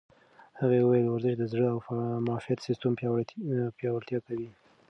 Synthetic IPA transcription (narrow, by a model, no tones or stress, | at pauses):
haɣaəwajlwaɾzɪʃd̪əzɽəawfmɑfijat̪sɪst̪əm | pjɑwaɾt̪jɑkawi